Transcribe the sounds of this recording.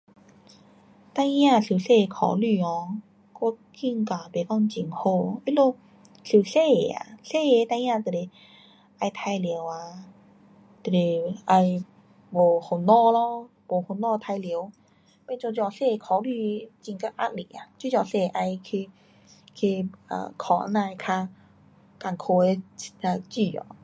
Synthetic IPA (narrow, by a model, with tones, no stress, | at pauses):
t̪a˧jã˥˧˨ɬi˨˩wɬe˥˧˨kʰɔ̰˨˩ly˧˨ɔ˨˧ | kɔ˧ | kʰi˥˧˨ŋka˨˩be˨˩kɔ˥˧ŋt͡ɕi˧˨˩ŋho˥˧˨i˦lo˥˧ | ɬi˨˩wɬe˥˧˨a̰˨˩ɬe˥˧˨t̪a˧jã˥˧t̪e˨˩le˨˩ | a˧jt̪ʰa˧jli˨˦wa˧ | t̪e˨˩e˨˩a˧j | bo˨˩ho˨˩nɔ˥˧lɔ˧ | bo˨˩ho˨˩nɔ˥˧t̪ʰa˧jli˨ə˦w | bɛ˧˨t͡ɕɔ˧t͡ɕjɔ˧˩se˥˧˨kʰɔ˨˧˦li˧t͡ɕi˧ŋka˦˥p̚ʔa̰˦˥t̚li˨a˨t͡ɕu˧˦t͡ɕɔ˧se˥˧ʔa˧jkʰi˧ | kʰi˧a̰˧˨˩kʰɔ̰˧˩˦nã˧kʰa˧ | ka˨˩ŋkʰo˧e˧a˧t͡ɕi˧˩ɔ̰˨